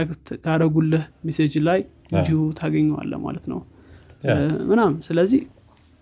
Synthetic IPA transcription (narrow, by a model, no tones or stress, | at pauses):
akt̪ʰɡaɾəɡulːəhmesed͡ʒlaj | ɨnd̪ihut̪ʰaɡəɲːɛwa̰lːə̰ma̰lət̪nə̰w | mɨnamsɨləzːih